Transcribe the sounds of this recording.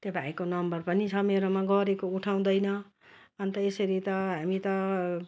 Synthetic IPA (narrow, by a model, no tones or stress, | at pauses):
t̪jobʱaekonʌmbʌrpʌnit͡sʰʌmeɾomaɡʌɾekouʈʰaw̃d̪ʌjnʌ | ʌnt̪ʌesʌɾit̪ʌɦamit̪ʌ